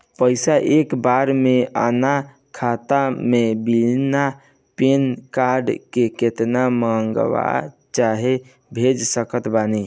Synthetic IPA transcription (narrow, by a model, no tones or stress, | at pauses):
pəɪsaʔekbaɾmeə̰na | kʰat̪amebilna | penkaɾɖkeket̪namə̃ŋɡʋa̰ | t͡ʃaɦe | bʱed͡ʒsəkət̪bani